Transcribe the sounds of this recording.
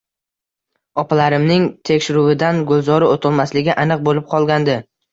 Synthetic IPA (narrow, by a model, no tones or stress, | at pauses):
ɒpʰalaɾɪmnɪŋt̪ʰekʲʃɪɾuwɪd̪anɡolˠzɒɾɪot̪ʰɪlˠmaslɪɡʲɪʔanɨq̚bolɪp̚qʰɒlˠɡʲand̪ɪ